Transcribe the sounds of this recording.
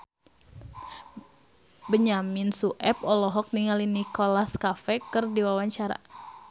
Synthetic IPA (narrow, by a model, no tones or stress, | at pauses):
bəɲaminsuʔɛp̚ɔlɔɦɔk̚niŋalinikɔlaskafɛkərdiwawaɲt͡ʃaɾa̰